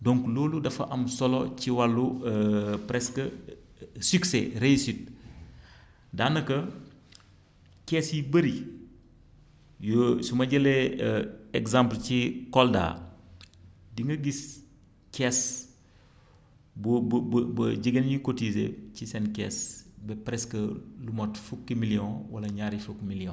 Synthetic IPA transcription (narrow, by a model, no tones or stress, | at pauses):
dɔŋklɔːludɐfɐ̰ʔɐmsɔlɔciwɐlːuəpɾɛskə | syksɛɾesit̚ | daːnːɐkɐ | kɛːsjibəɾi | jɔsumɐɟɐlɛ | ɛɡzamplt͡ʃikɔlda̰ | diŋɡɐɡis | kɛs | bubbbɐɟiɡɐnjikotizḛcisɛnkɛːsbɛpɾɛskəlumotfukːimiliɔ̃wɐ̰lɐɲaːɾifukmiliɔ̃